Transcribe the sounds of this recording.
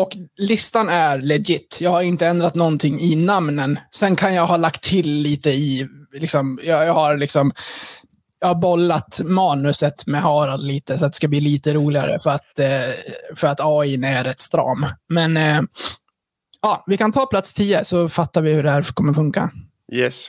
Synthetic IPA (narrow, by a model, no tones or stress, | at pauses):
ɔklɪst̪anæɾlɛɡɪt̪ːjɑːɡhaɾɪnt̪əɛnd̪ɾat̪nɔnt̪ʰɪŋːɪnamnənsɛnkʰanjaɡhɑːlakt̪ʰːɪlːiːt̪əɪlɪksɔmjɑjɑːɡhaɾlɪksɔm | jɑːɡhaɾbɔlːat̪mɑːnɵsət̪mɛhɑːɾad̪liːt̪əsɔat̪d̪ɛ̥skabliːliːt̪əɾuːlɪɡa̰ɾə̰fœɾat̪ | fœɾat̪ɑːinɛɾɛt̪ːst̪ɾɑ̰ːmmɛn | ɑːvɪkʰant̪ʰɑːpʰlat̪st̪ʰiːəsɔfat̪ːaɾvɪhɵɖɛhæːɾkʰɔmːəɾfɵŋka̰ | jɛs